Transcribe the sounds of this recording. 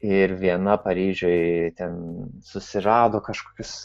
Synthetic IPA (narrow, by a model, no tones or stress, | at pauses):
ɪɾʋʲiɛnɐpɐɾʲiːʒʲoɪt̪ʲɛnsʊsʲɪɾɑːd̪oːkɑːʃkoːkʲʊs